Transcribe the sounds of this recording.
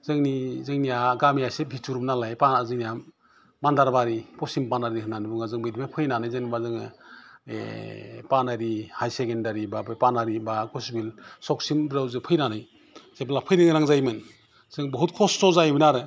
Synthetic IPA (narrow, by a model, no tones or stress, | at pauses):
zɯŋnizɯŋnijaɡamijasebʱitʰuɾumnalajpaazɯŋnijam | mandaɾbaɾipɔsimpanaɾiɦɯnanɯbuŋazɯŋbijdimapʰɯjnanajzeŋnibazɯŋɯḛpanaɾihajsekendaɾibabɯpanaɾibaɡusbilsɔksimbɾawzɯpʰɯjnanaj | zeblapʰɯjnɯŋɾaŋzajmɯn | z̥ɯŋbɔɦut̚kʰɔsːɔzajbɯnaɾɯ